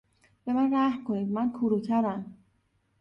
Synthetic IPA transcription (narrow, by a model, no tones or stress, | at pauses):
b̥e̞mænræhkʰo̞niːd̪̚mænkʰuɾuːt̪ʰæɾæm